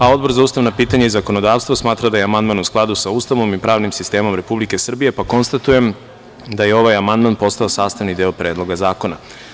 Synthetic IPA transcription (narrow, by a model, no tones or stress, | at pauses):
ao̞d̪boɾzauːst̪aʋnapiːt̪aɲaizako̞no̞d̪aːʋst̪vosmaːt̪ɾad̪ajeamand̪manusklˠad̪usaust̪aʋo̞mipɾaːʋnimsist̪e̞ːmo̞mɾe̞publike̞sr̩bije̞pako̞nst̪at̪uje̞m | d̪ajeo̞ʋajamand̪manpo̞st̪aosaːst̪aʋnid̪eopɾe̞ːd̪lˠo̞ɡazaːko̞na